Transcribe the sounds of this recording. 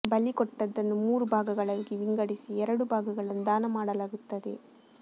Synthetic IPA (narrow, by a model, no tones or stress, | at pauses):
bɐlikɔʈːɐðɐnɯmuːrɯbaːɣɯɣɐɭɐɾkiʋɪŋɡɐɽɪsiɛɾɐɽɯbaːɣɯɣɐɭɐnd̪aːnɐmaːɽɐlɐɣɯt̪ːɐðɯ̰ː